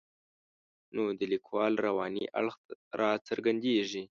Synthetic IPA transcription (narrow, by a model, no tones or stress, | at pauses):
nod̪əlikʰwɑlɾawɑnḭʔa̰ɭxɾɑt͡səɾɡand̪eʐi